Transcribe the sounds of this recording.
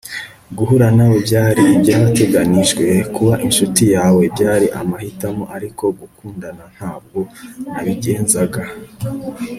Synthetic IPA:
ɡuɦuɾanawobɟaːɾiːbjaβate̞ɡaniʒɡwe̞kuβaʔinʃutijaːwe̞bɟaːɾiʔa̰mahitamo̞ʔaɾiko̞ɡukuːndanan̥haːb̚ɡo̞aβiɟeːnzaɡa

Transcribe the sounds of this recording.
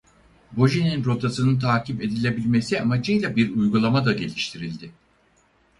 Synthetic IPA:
bo̞ʒininɾo̞t̪ʰasɯnɯnt̪ʰaːcipe̞d̪ilʲe̞bilʲme̞siamad͡ʒɯjlʲabiɾujɡulˠamad̪aɟe̞lʲiʃt̪ʰiɾilʲd̪ɪ

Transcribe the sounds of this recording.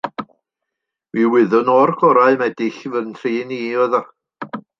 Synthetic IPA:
wiːwɪðʊnɔrkʰɔɾaɨmɛdɪɬvəntʰriːniːɔðɔ

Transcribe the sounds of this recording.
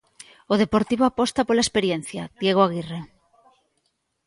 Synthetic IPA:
oð̞epoɾt̪iβoapɔst̪apolaespeɾjen̟θjað̥jeɣ̞oaɣire

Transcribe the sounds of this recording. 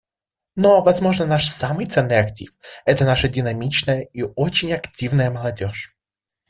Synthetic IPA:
no̞vɐzmo̞ʐnənaʂsamɨjt̪sɛnːɨjɐktʲḭfɛt̪ənaʂədʲɪnɐmʲit͡ɕnəjəiot͡ɕɪnʲɐktʲivnəjəməlˠɐdʲo̞ʂ

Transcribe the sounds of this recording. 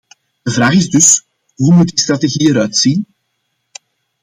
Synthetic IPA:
d̥əvraːχɪzdɵs | ɦumut̚dist̪rateɣiːəɾœɥtsin

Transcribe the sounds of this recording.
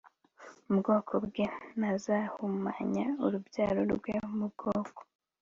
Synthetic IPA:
ubɡoːkʰobɡenazahumaɲauɾubjaːɾo̰ɾɡwemub̚ɡ̥oːko̥

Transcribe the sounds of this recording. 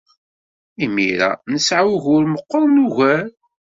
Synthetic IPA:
imḭɾa̰nəsʕawɣʊɾməqːəɾˤnuʝæɾ

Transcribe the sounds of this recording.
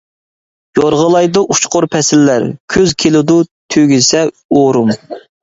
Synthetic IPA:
joɾʁəlˠɑjd̪ɑʔut͡ʃqʊɾpʰɛsɪlːæɾkʲʰøzkʲʰelɪd̪ut̪ʰøɡʲysɛ | oɾum

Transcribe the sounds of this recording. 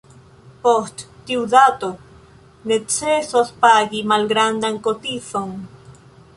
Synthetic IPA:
poht̪t̪iwðat̪o | net͡sesospaɡimalɡɾand̪aŋkot̪iθoŋ

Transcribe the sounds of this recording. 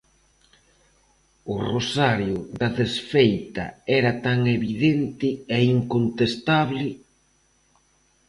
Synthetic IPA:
ʊrosaɾjʊðɐðesfejt̪ɐ̰ɛɾɐt̪aŋeβiðent̪ɪɛiŋkont̪est̪aβlɪ

